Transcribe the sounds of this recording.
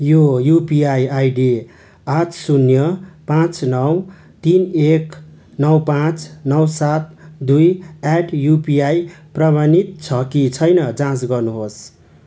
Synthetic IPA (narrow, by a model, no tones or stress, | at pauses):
jojupiajajɖi | atsunjʌpãt͡snʌw | t̪inek | nʌwpãt͡snʌwsat̪̚d̪ujaʈjupijajprʌbanit̪̚t͡sʰʌkit͡sʰʌjnʌd͡zãt͡sɡʌrnuɦos